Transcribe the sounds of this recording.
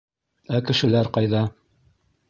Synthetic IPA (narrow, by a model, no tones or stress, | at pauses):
ækɘ̆ʃɘ̆læɾqɑjðɑ